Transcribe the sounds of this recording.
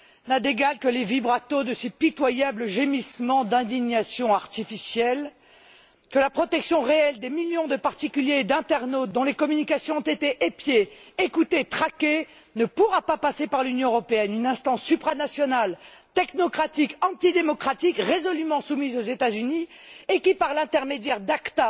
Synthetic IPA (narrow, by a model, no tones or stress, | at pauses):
nad̪eɡalkəlevibʁat̪od̪əsipit̪wajabləʒemismɑ̃d̪ɛ̃d̪iɲasjɔ̃aʁt̪ifisjɛl | kəlapχɔt̪ɛksjɔ̃ʁeɛld̪emiljɔ̃d̪əpaʁt̪ikʲyljed̪ɛ̃t̪ɛʁnot̪̚d̪ɔ̃lekɔmynikasjɔ̃ɔ̃t̪et̪eʔepjeːkut̪et̪χakʲe | nəpuʁapapasepaʁlynjɔ̃øʁɔpeɛnynɛ̃st̪ɑ̃sːypχanasjɔnalt̪ɛknɔkχat̪ikɑ̃t̪id̪emɔkχat̪ikʁezɔlymɑ̃sumizozet̪azyni | ekʲipaʁlɛ̃t̪ɛʁmed̪jɛʁd̪akt̪a